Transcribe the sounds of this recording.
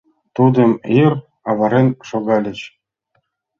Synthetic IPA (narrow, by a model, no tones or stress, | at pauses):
t̪ud̪ɤ̆mir | ɑʋɑɾʲenʂoɡɑlʲɘ̆t͡ɕ